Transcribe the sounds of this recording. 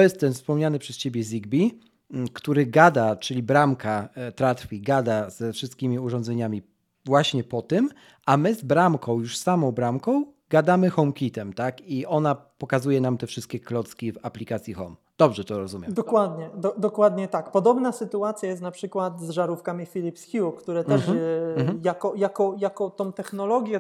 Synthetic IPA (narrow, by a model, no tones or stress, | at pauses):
t̪ɔjɛst̪ːɛnfspɔmɲanɘpʂɛst͡ɕebʲjɛzʲiɡbʲi | kt̪uɾɘɡad̪at͡ʂɘlʲibɾamkʰat̪ɾat̪fʲiɡad̪az̥ɛfʂɘst̪kʲimʲiuʐɔ̃nd̪zɛɲamʲi | vwaɕɲɛpɔt̪ɘm | ʔamɘzbɾamkʰɔ̃w̃juʂsamɔ̃w̃bɾamkɔ̃w̃ | ɡad̪amɘxɔmkʲit̪ɛmt̪akiʔɔnapɔkazujɛnamt̪ɛfʂɘst̪̚kʲɛklɔt̪skʲivaplʲikat̪sʲjixɔ̰m | d̪̥ɔbʐɛt̪ɔɾɔzumʲɛmd̪ɔkwad̪ɲɛd̪ɔd̪ɔkwad̪ɲɛt̪akpɔd̪ɔbnasɘt̪uat̪sʲjajɛst̪napʂɘkwat̪zʐaɾufkamʲifʲilʲipsxʲjukt̪uɾɛt̪ɛʂ | jakɔjakɔjakɔt̪ɔ̃w̃t̪ɛxnɔlɔɡʲjɛ